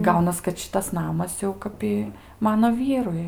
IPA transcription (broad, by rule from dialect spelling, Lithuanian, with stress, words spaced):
ˈɡɐʊnɐs kɐt ˈʃʲɪtɐs ˈnɑːmɐs jɛʊ ˈkɐp ɪ ˈmɑːnoː ˈʋʲiːrʊɪ